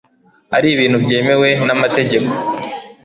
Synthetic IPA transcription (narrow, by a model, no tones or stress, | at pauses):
haɾiːβiːnhubɟe̞ːme̞we̞namate̞ɟe̞ko